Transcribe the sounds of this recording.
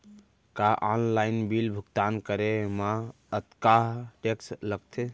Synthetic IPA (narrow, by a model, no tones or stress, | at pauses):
kaʔɔnlaɪnbilbʱuɡt̪ankəɾemã | ət̪kaɦʈeksləɡ̚t̪ʰe